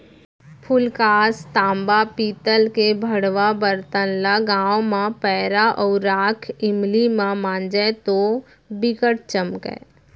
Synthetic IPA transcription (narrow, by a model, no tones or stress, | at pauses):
pʰʊlkaːst̪ãːmbapiːt̪əlkebʱəɽʋabəɾt̪ənlaɡãːõmãpɛːɾaʔɔːɾaːkʰɪmlimãmãːnd͡ʒɛt̪o | bɪkəʈ̚t͡ʃəmkɦɛ̰̃ː